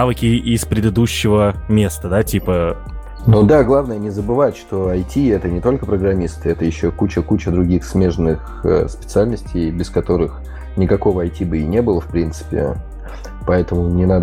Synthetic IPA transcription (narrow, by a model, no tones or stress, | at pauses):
avɨkʲɪɪspɾʲɪd̪ɨd̪uɕːɪvəmʲe̞st̪əd̪atʲipə | nud̪aɡlˠavnəjənʲɪzəbɨvatʲʂt̪o̞ɐjtʲiɛt̪ənʲɪt̪o̞lʲkəpɾəɡɾɐmʲist̪ɨɛt̪əjɪɕːokut͡ɕəkut͡ɕəd̪ɾʊɡʲixsmʲe̞ʐnɨx | ə̰spʲɪ̥t̪sɨalʲnəsʲtʲejbʲɪskɐt̪o̞ɾɨx | nʲɪkɐko̞vəɐjtʲibɨɪnʲe̞bɨlˠəfpɾʲint̪sɨ̥pʲɪ̰ | pɐɛt̪əmʊnʲɪnad̪